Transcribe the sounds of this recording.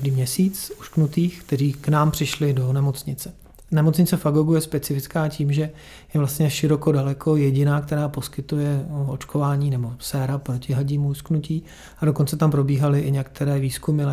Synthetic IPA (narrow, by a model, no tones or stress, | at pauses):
ʒdiːmɲɛsiːt͡suʃknut̪iːxkt̪ɛriːknaːmpr̥ɪʃlɪdo̞nɛmo̞t͡sɲɪt͡sɛ | nɛmo̞t͡sɲɪt͡sɛfaɡoɡujɛspɛt͡sɪfɪt͡skaːciːmʒɛ | jɛvlast̪ɲɛʃɪɾo̞ko̞dalɛkʰo̞jɛɟɪnaːk̚t̪ɛɾaːpo̞skɪt̪ujɛʔo̞t͡ʃkovaːɲiːnɛbosɛːɾapɾocɪɦaɟiːmuusknuciː | ʔado̞ko̞nt͡sɛt̪ampɾo̞biːɦalɪʔɪɲɛk̚t̪ʰɛɾɛːviːskumɪ